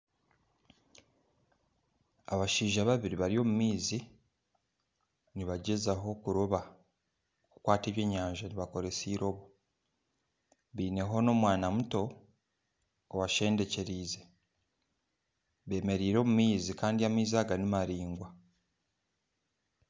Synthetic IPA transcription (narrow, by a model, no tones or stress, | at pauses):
aβaʃiːʒaβaβiɾiβaɾio̞ːmumiːzi | niβaɟe̞zaɦo̞kuɾoβa | kukwaːte̞ːβje̞ːɲːaːɲʒaniβako̞ɾe̞siːɾo̞ːβu | βiːne̞ɦono̞ːmwaːnamuto̞ | waʃe̞ːnde̞ce̞ɾiːze̞ | βe̞ːme̞ɾiːɾo̞ːmumiːzikaːndiamiːzaːɡanimaɾiːŋɡwa